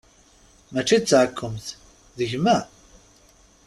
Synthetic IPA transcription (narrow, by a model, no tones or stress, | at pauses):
mæt͡ʃːit͡sːʕəkʰːəmθ | ðəʝmæ